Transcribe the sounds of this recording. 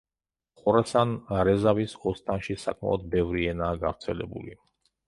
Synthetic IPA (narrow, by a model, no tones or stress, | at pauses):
χɔɾasanɾɛzavisɔst̪ʼanʃisakʰʼma̰lˠɔd̪̚bɛvɾiɛnaːɡavɾt̪sʰɛlɛ̰bṵlḭ